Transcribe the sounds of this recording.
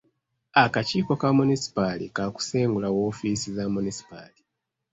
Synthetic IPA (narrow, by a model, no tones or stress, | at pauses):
akaciːko̞kamunisi̥palḭkaku̥seːŋɡulawo̞ːfisizamunisi̥pa̰li